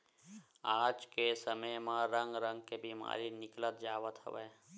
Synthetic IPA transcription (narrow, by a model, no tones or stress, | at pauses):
aːd͡ʒkesəməjmãɾə̃ŋɡɾə̃ŋɡkebiːma̰ːɾinɪklət̪d͡ʒaːwət̪ɦə̰ʋḛː